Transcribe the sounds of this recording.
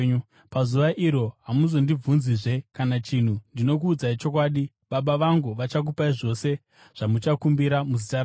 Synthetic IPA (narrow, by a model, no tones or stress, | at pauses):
pazuʋaʔiɾo̞ɦamuzo̞ndib͡vunziʐe̞kanat͡ʃin̤undino̞kuːd͡zait͡ʃo̞k̬waːɗi | ɓaɓaʋaŋɡuʋat͡ʃak̬upaiʐo̞se̞ | ʐ̥amut͡ʃakumbiɾamuzitaɾ